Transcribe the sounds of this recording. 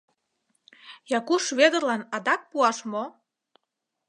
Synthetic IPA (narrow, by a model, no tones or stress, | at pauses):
jɑkuʃβed̪ə̆rlɑnɑd̪ɑk̚puɑʃmo